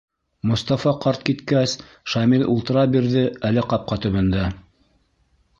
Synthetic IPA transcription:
mŏst̪ɑfɑqɑɾt̪̚kit̪kæs | ʃɑmilṵlˠt̪ɤ̆ɾɑbiɾðɘælɘqɑp̚qɑt̪ɵ̆βɘ̆nd̪æ

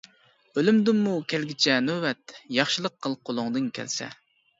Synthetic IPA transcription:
ølymd̪ɪnːukʲʰælɡʲɪt͡ʃʰɛnøwɛt̪̚jɑχʃɨlˠəqʰːəlˠqʰolˠʊŋd̪ɨnkʲʰɛ̰lsɛ̰

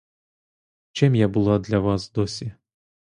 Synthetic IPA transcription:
t͡ʃɪmjabʊlˠɑd̪lʲɐʋɑsd̪ɔsʲi

